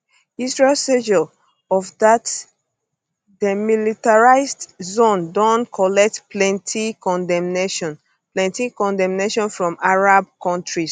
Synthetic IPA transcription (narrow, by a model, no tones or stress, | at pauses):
isɹelsed͡ʒɔ | ɔvdat | demilitaɹaɪzdzõndɔ̃nkʰɔlɛk̚tplɛ̃ntʰikɔ̃ndɛmneʃɔ̃n | plɛ̃ntikɔ̃ndɛ̃mneʃɔ̃nfɹɔ̃maɹab̚kʰɔ̃ntɹis